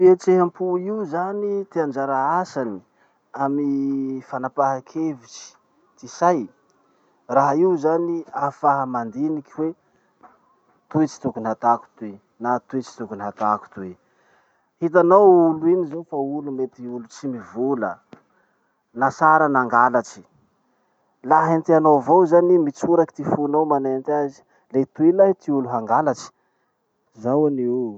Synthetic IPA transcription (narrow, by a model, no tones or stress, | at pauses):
piet͡seɦampʰuiuzanit̪eand͡ʒaɾaasani̥ | amifanapaɦakʰevit͡ʃi̥ | t̪isaj | raɦaiuzaniafaɦamand̪inikiwe | t̪ut͡ʃi̥t̪ukunat̪aku̥t̪e | nat̪ut͡ʃi̥t̪ukunat̪aku̥t̪ue | hit̪̬anowuluinizofaulumet̪iulut͡simivulə | nasaɾənaŋɡalat͡ʃi̥ | laɦent̪ianowvowzanimit͡suɾaki̥t̪ifunawmanent̪azi̥ | let̪uilat̪iuluɦaŋɡalat͡ʃi̥ | zawaniu